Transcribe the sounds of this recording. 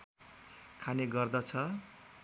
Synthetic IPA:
kʰaneɡʌrd̪ʌt͡sʰʌ

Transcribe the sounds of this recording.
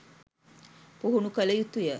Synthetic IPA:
puɦunukələjut̪ujə

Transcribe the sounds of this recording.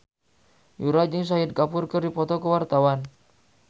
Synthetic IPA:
juɾad͡ʒɪŋs̬aɪd̪̚kapʊrkərdipɔt̪ɔkəwart̪awan

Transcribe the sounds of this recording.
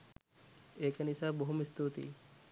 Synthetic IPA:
ekɐnisaboɦumist̪ut̪ḭ

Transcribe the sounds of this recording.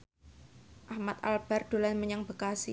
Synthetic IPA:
ʔahmat̪a̰lb̥a̤rd̪̥o̤lanməɲaŋbəkasi

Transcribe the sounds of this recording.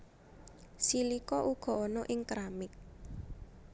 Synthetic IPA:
silikɔʔuɡ̥ɔ̤ɔnɔʔɪŋkɾamɪk̚

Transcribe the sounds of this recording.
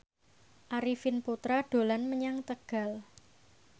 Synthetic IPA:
ʔaɾifɪnput̪ɾaɖ̥o̤lanməɲaŋt̪əɡ̥a̤l

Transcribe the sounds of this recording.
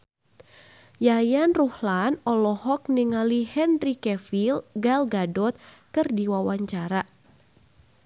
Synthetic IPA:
jajanruhlanɔlɔhɔk̚niŋalihɛnrikɛfilɡalɡadɔt̪̚ | kɨrdiwawaɲt͡ʃaɾa

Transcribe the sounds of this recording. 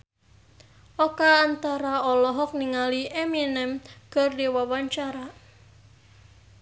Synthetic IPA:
ʔɔkaːnt̪aɾaɔlɔɦɔk̚niŋaliʔɛminɛmkɨrdiwawaɲt͡ʃaɾa

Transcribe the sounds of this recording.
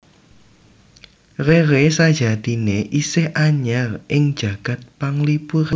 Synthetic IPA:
reɾesad̥ʒ̥ä̤d̪̥i̤neʔisɪhʔaɲarʔɪŋd̥ʒ̥a̤ɡ̥ä̤t̪̚paŋlipuɾ

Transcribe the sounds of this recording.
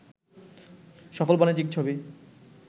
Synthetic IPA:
ʃɔfolbɔnid͡ʑik̚t͡ɕʰobi

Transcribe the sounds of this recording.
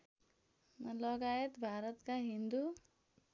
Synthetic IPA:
lʌɡajet̪bʱaɾʌt̪kaɦind̪u

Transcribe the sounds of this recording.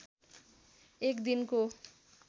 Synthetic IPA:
ekd̪inko

